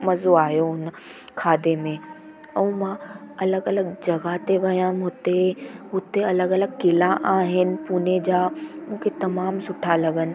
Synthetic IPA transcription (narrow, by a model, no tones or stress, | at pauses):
mɐzoaːɦijoɦʊn | kʰaːd̪emẽ | ɛ̃ũmãɐləɡɐləɡd͡ʑɐɡat̪eʋɐjãmɦʊt̪eɦʊt̪eɐləɡɐləɡkɪlaʔaːɦɪnɪ̆puːned͡ʑaːmũːkʰet̪ɐmaːmsʊʈʰalɐɡənɪ̆